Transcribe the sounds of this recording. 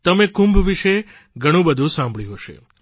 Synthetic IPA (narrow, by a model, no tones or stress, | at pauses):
t̪əmekũmbʱʋiʃe | ɡʱəɽ̃ũbəd̪ʱũsãmbʱɭĩɦəʃḛ